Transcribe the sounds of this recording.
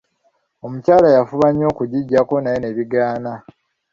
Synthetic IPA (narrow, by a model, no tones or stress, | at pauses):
o̞mucaːlajafuβaɲːo̞ːkuɟiɟːako̞najene̞βiɡaːna